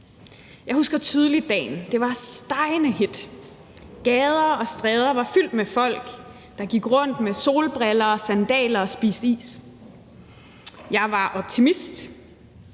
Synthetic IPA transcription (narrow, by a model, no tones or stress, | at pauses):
jɑ̈ɪhusɡ̥ɐt͡sʰyːð̞ˠəlid̥̚ːɛ̰ːnd̥e̝ʋɑ̈sd̥ɑ̈ɪnəhe̝d̥ | ɡ̥ɛːð̞ˠɐɒ̽sd̥ʁɛːð̞ˠɐʋɑ̈fyl̰d̥mefɒ̽l̰ɡ̥ | d̥ɑ̈ɡ̥iɡ̥ʁɔ̽n̰d̥meso̝ːlb̥ʁɛlɐɒ̽sænd̥ɛ̰ːlɐɒ̽sb̥ḭːsd̥ḭːs | jɑ̈ɪʋɑ̈ʔɒ̽b̥̚t͡sʰimisd̥